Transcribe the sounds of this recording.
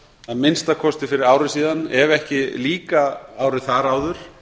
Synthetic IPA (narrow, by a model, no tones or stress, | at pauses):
aðmɪnst̪akʰɔst̪ɪfɪɾɪɾaːwɾɪsiːðanɛɾɛhcɪliːkaaːwɾɪθaɾaːwðʏɾ̥